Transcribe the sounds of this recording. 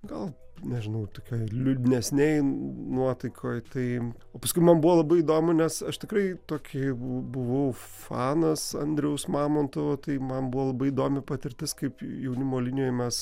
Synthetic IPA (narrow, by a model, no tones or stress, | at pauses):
ɡɐlˠ | nʲɛʒʲɪnɐʊt̪oːkʲoːjlʲʊd̪ʲɪnʲɛsʲnʲɛɪnuɔt̪ɐɪkʰoːjt̪ɐɪ | oːpɐskʊɪmɐnbuʋoːlˠɐbɐɪid̪oːmʊnʲɛsɐʃt̪ʲɪkrɐɪt̪oːkʲɪbʊʋɐʊfɑːnɐsɐ̰nʲd̪ʲɾʲɛʊsmɑːmoːnt̪oʋoːt̪ɐɪmɐnbuʋoːlˠɐbɐɪid̪oːmʲɪpɐt̪ʲɪɾʲt̪ʲɪskɐɪpjɛʊnʲɪmoːlʲɪnʲɪjoːjmʲɛs